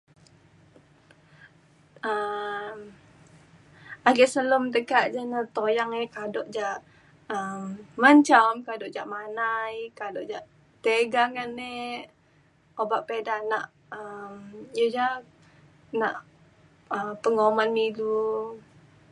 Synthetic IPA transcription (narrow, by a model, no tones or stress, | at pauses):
əm | aɡɛʔsəlomt̪əkaʔd͡ʒanat̪ojaŋekadɔʔd͡ʒaʔ | əmːaɲt͡ʃamkadɔʔd͡ʒaʔmanajkadɔʔd͡ʒaʔ | t̪eɡaŋanːe | obaʔpedahnaʔ | əmjəd͡ʒa | naʔ | əmpəŋomanmilu